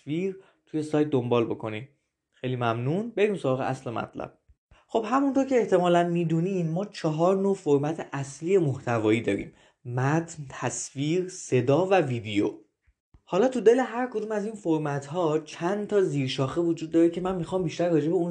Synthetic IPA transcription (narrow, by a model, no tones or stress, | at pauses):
viːɾ | t̪ʰuje̞sɒːjt̪̚d̪ombɒːlbo̞kʰo̞nim | xe̞jliːmæmnunbe̞ɾiːmso̞ɾɒːɣeʔæ̰slemæ̰t̪ʰlæ̰b̥̚ | xo̞bhæmunt̪ʰo̞ɾcʰe̞eht̪e̞mɒːlænmiːd̪uːniːmːɒːt͡ʃʰɒɦɒːɾnoːfoɾmæt̪ʰeʔæsliːje̞moht̪ʰævɒːjiːd̪ɒ̰ːɾḭːm | mæt̪ʰnt̪ʰæsfiːɾse̞d̪ɒːvæviːd̪ejo̰ | hɒːlɒːt̪ʰud̪e̞le̞ɦæɾkʰod̪uːmæziːnfoɾmæt̪ʰhɒːt͡ʃʰænt̪ʰɒːziːɾʃɒːxevod͡ʒuːd̪ːɒːɾecʰe̞mænmixɒːmbiʃt̪æɾːɒːd͡ʒe̞be̞un